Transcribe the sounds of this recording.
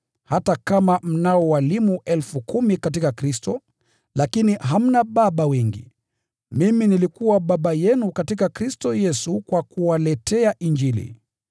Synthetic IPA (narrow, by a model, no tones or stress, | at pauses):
hatakamam̩naɔwalimuʔɛlfukumikatikakɾistɔ | lakiniɦam̩naɓaɓawɛŋɡḭ | miminilikuwaɓaɓajɛnukatikakɾistɔjɛsukwakuwalɛtʰɛaʔind͡ʒilḭ